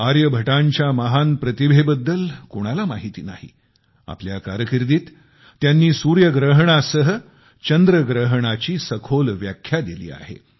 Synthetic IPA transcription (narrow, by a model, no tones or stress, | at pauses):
aɾjəbʱəʈaɲt͡ɕjaməɦanpɾət̪ibʱebəd̪ːəlkoɽ̃alama̰ɦit̪ḭːna̰ɦḭ | a̰pljaka̰ɾəkiɾd̪iːt̪ː | janːiːsuɾjəɡɾəɦɳ̃asəɦə | t͡ɕənd̪ɾəɡɾəɦɽ̃at͡ɕiːsəkʰolʋjakʰːjad̪ilḭːa̰ɦḛ